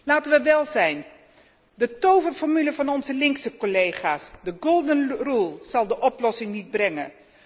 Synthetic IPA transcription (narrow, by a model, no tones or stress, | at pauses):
laːtənʋəʋɛlˠzɛjn | dətowvərfɔɹmyləvɑnɔnzəlɪŋksəkolejχaːsdəɡolˠdənrulˠz̥ɑlˠdəʔɔplɔsɪŋnid̚brɛŋən